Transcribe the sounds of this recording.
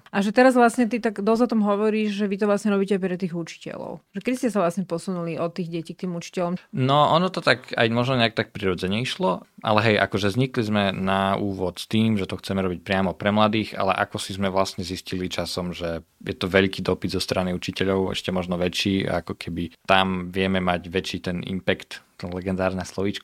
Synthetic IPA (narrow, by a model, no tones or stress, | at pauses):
ʔaʒɛt̪ɛɾazʋlasɲɛt̪it̪aɡd̪ɔzɔt̪ɔmɦɔʋɔɾiːʒʒɛʋit̪̬ɔʋlasɲɛɾɔbiːcɛaɪpɾɛt̪iːɣut͡ʃi̥cɛ̰lɔ̰ʊʒɛkɛd̪istcɛsaʋlasɲɛpɔsunuliʔɔt̪ːiːɣɟɛciːk̚t̪iːmut͡ʃi̥cɛlɔmnɔʔɔnɔt̪ɔt̪aka̰jmɔʒnɔɲɛakt̪ak̚pɾiɾɔd͡zɛɲɛiʃlɔʔa̰lɛɦɛjʔa̰kɔʒɛzɲiklizmɛnauːʋɔt̪st̪iːmʒɛt̪ɔxt͡sɛmɛɾɔbic̚pɾɪamɔpɾɛmlad̪iːxa̰lɛ̰ʔa̰kɔsizmɛʋlasɲɛziscilit͡ʃasɔmʒɛjɛt̪ɔʋɛʎkiːd̪ɔpid̪zɔst̪ɾaniut͡ʃicɛʎɔʊɛ̰ʃcɛmɔʒnɔʋɛt͡ʃḭːa̰kɔkʰɛbit̪amʋɪɛmɛmaɟʋɛt͡ʃiːt̪ɛnḭmpɛkt̪t̪ɛnlɛɡɛnd̪aːɾnɛslˠɔʋit͡ʃk